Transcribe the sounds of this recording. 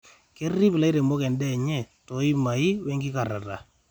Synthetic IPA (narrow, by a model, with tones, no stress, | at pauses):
ke˦rːi˦pɪ˨la˦i˦ɾe˨mo˦kɛ˨ndɛ˦˨ɲɛ˦tɔ˨i˦ma˨i˦wɛ˦ŋɡɪ˦ka˨ɾa̰˨ɾa̰˨